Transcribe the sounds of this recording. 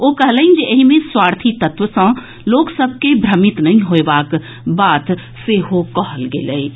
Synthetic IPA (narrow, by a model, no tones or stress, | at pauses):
okəɦləĩnd͡ʒeʔəɦimẽswaːɾt̪ʰit̪ət̪ʋəsə̃ | loːksəb̚ʱkebʱɾəmit̪nɐɦĩɦoebak | baːt̪ | seɦokɔɦəlɡeləi